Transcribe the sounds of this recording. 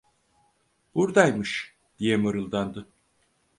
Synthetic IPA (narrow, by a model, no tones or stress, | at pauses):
b̥uɾd̪ajmɯʃ | d̪̥ijɛmɯɾɯlˠd̪and̪ɯ